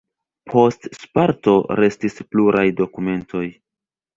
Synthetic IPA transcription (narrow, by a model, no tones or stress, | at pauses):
pʰo̞stspaɾto̞ɾe̞stispluɾʔajdo̞kume̞ntʰo̞j